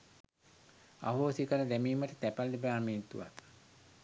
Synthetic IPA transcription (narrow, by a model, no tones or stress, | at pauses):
aɦoːsikəɾəd̪æmiːməʈət̪æpaldebaːmiːt̪ṵʋa̰t̪